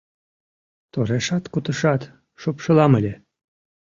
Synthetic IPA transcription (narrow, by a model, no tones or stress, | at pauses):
t̪oɾeʃɑt̪kut̪əʃɑt̪ | ʃopʃəlɑməlʲe